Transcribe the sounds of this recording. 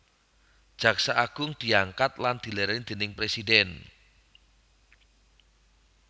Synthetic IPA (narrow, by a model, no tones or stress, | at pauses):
d̥ʒ̥ä̤ksaʔaɡ̥ʊŋd̪̥i̤aŋkat̪̚land̪̥i̤lɛɾɛŋd̪̥e̤nɪŋpɾesid̪ɛn